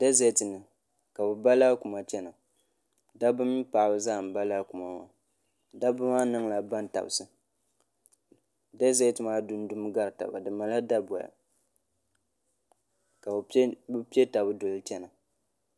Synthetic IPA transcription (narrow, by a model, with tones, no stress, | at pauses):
d̥a˦zɛ˦tɨ˨nɨ˨ | ka˨bɨ˨ba˦laː˦ku˨ma˨t͡ʃɛ˦na˨ | da˦bɨ˦mi˦pa˨bɨ˨zaː˦˨m˨ba˦la˦ku˨ma˨ma˨ | da˦bɨ˦maː˦nɨ˦ŋla˨ba˦n˨ta̰˨bsɨ˦ | da˦zɛ˦tɨ˨maː˦dʊ˦n˦dʊ˦m˦ɡa˦ɾɨ˨ta̰˨ba̰˨dɨ˨ma˨la˦da˦bɔ˨ja̰˨ | ka˨bbɨ˦pi˦e˦ta˨bɨ˦dʊ˨lɨ˦t͡ʃɛ˦na˨